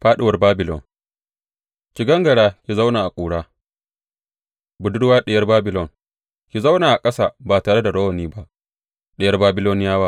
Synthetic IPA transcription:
ɸaː˦ɗɪ˨wɐ˨rbaː˦bɪ˨lɔ̰˨n | kʲɪ˨ɡɐ˦ŋɡɐ˨ɽaː˦kʲi˨za˦wnaː˨ʔa˨kʷʼuː˨ɽaː˦ | bʊ˨dʊ˦ɽwaː˦ɗɪ˦˨jɐ˦rbaː˦bɪ˨lɔ˨n | kʲi˨za˦wnaː˨ʔa˨kʼɐ˦saː˦˨baː˨taː˨ɽe˦da˨ɽɐ˦wɐ˨niː˦ba˦ʔ | ɗɛ˦jɐ˦rbaː˦bɪ˦loː˦nɪ˦jaː˦waː˦

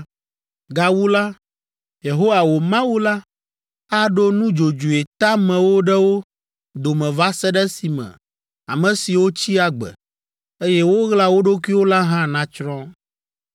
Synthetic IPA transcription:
ɡa˨wu˦la˦ | je˨ɦo˦wa˨wo˨mã˦wu˦la˦ | a˦ɖo˦nũ˦d͡ʒo˨d͡ʒu˨e˨t̪a˦mɛ̃˨wo˦ɖɛ˦wo˦ | d̪o˨mɛ̃˨va˦sɛ˦ɖɛ˦si˨mɛ̰̃˨ | a̰˨mɛ̃˨si˨wo˦t͡ɕi˦a˨ɡ͡bɛ̰˨ | e˦jɛ˦wo˦ɣla˦wo˦ɖo˦kʷi˦wo˦la˦ɦã˦nã˦t͡ʃɾɔ̃˦

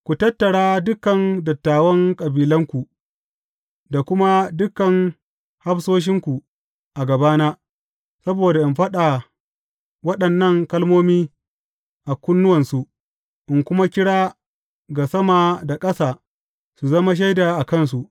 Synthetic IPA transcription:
kʷu˨tɐ˦tːɐ˨ɽaː˦dʊ˦kɐ˨ndɐ˨tːaː˨wɐ˦ŋkʼɐ˨biː˨lɐ˦ŋkʷu˨ | da˨kʷʊ˦ma˦dʊ˦kːɐ˨ŋ | ha˦ɸsoː˦ʃ̬ɪ˦ŋkʷu˨ | ʔa˨ɡɐ˨baː˦naː˦ | sɐ˦boː˨da˨ʔɪ˨mɸɐ˦ɗa˨ | wɐ˦ɗɐ˨nːɐ˦˨ŋkɐ˦lmoː˦miː˦ | ʔa˨kʷʊ˦nːʊ˦wɐ˨nsu˨ʔ | ʔɪ˨ŋkʷʊ˦ma˦kʲɪ˦ɽaː˦ | ɡa˨sɐ˦ma˨da˨kʼɐ˦saː˨ | su˨zɐ˦ma˦ʃ̬ɐ˦jda˨ʔa˨kɐ˦nsu˨ʔ

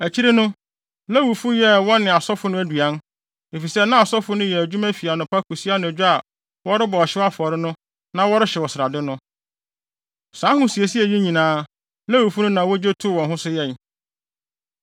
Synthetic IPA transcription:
æ˨t͡ɕʰi˦ɾe˦nʊ̃˦ | la˦wu˨fu˦jɛ˦wɔ̃˦nɪ̃˨a˨sɔ˦fʊ˦nʊ̃˦æ˦du˨a˦n | e˨fi˨sɛ˦nã˦a˨sɔ˦fʊ˦nʊ̃˦jɛ˨æ˨d͡ʑᶣu˦mæ˦fi˨a˨nʊ̃˨pʰa˦kʰu˨si˦a˦nʊ̃˨æ˨d͡ʑᶣʊ˦a˨ | wɔ˦ɾɪ˦bɔ˨ɔ˨ɕɪ˦a˦fʊ˨ɔ˨ɾɪ˦nʊ̃˦ | nã˦wɔ˦ɾɪ˦ɕɛ˨wɔ˨sɪ˨ɾa˨dɪ˦nʊ̃˦ | sãː˨˦hʊ̃˦si˨e˨si˦æ˨ji˦ɲĩ˨nãː˨˦ | la˦wu˨fu˦nʊ̃˦nã˨wɔ˦d͡ʑe˦tʰʊ˦wɔ̃˨nɦʊ̃˦sʊ˦jɛ˦˨n

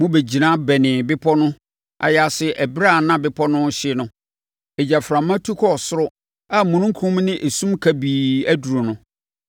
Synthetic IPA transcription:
mʊ̃˦be˨d͡ʑi˨nã˦bɛ˨nɪ̃˨bɪ˦pʰɔ˦nʊ̃˦ | ʔa̰˨ja˨sɪ˦ʔæ˨bɾa˦˨nã˦bɪ˦pʰɔ˦nʊ̃˦ɕɪ˦nʊ̃˦ | e˨d͡ʑa˨fɾã˨mã˦tʰu˦kʰɔ˦˨sʊ˦ɾʊ˦ | a˦mũ˨nũ˦ŋ̩˦kʰũ˦m˦nɪ̃˦ʔe˨sũ˦mkʰæ˨biː˨æ˦du˨ɾo˨nʊ̃˦

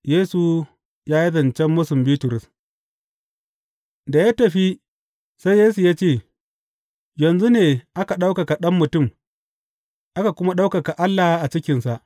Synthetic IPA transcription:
jeː˦su˨ | jaː˦ji˦zɐ˨nt͡ʃɛ˦mːʊ˦sʊ˨mbiː˦tʊ˨ɾʊ˨s | da˨ja˦tɐ˨ɸi˦ | sa˦jːeː˦s̬u˨jaː˦t͡ʃeː˦˨ | jɐ˨nzu˦neː˨ʔa˦ka˨ɗa˦wka˨ka˨ɗɐ˦mːʊ˨tʊ˦˨m | ʔa˦ka˨kʷʊ˦ma˦ɗa˦wka˨ka˨ʔa˦lːa˨hʔa˨t͡ʃɪ˦kʲɪ˨nsa˨ʔ

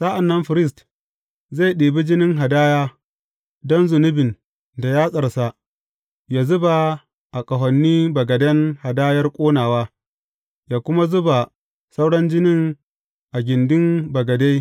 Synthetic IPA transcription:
sa˦ʔa˨nːɐ˦mɸɪ˨ɾɪ˦s̬t | za˦˨jɗeː˨bi˦d͡ʒɪ˦nɪ˦ŋɦa˨daː˦jaː˦ | dɔ˦nzʊ˨nʊ˦bɪ˨n | da˨jaː˦sʼɐ˨rsa˦ | jaː˨zʊ˦ba˨ | ʔa˨kʼɐ˨ɦɔ˨nːiː˦bɐ˨ɡɐ˨dɐ˦ŋha˨daː˦jɐ˦rkʷʼoː˦naː˨waː˦ | jaː˨kʷʊ˦ma˦zʊ˦ba˨ | sa˦wɽɐ˦nd͡ʒɪ˦nɪ˦ŋ | ʔa˨ɡʲɪ˨ndɪ˦nbɐ˨ɡɐ˨da˦j

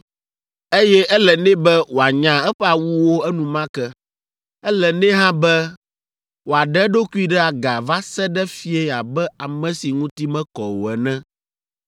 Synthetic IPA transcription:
e˦jɛ˦ʔɛ˦lɛ˨nɛ̃˦bɛ˦wo˨a˨ɲã˨ɛ˦ɸɛ˦a˨wu˦wo˦ɛ˦nũ˨mã˦kɛ˦ | ɛ˦lɛ˨nɛ̃˦ɦã˦bɛ˦ | wo˨a˨ɖɛ˦ɖo˦ku˦i˦ɖɛ˦a˨ɡa˨va˦sɛ˦ɖɛ˦fi˦ɛ˦˨a˨bɛ˦a˨mɛ̃˦si˨ŋũ˦t̪i˦mɛ̃˦kɔ˨wɛ˨nɛ̃˦

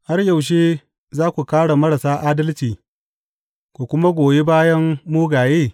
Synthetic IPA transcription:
ha˦rjɐ˨wʃ̬eː˦ | zaː˦kʷu˨kaː˦ɽa˨mɐ˦ɽa˨saː˦ʔaː˦dɐ˦lt͡ʃiː˨ | kʷu˨kʷʊ˦ma˦ɡʷoː˨je˦baː˦jɐ˦mːuː˦ɡaː˨jeː˦˨

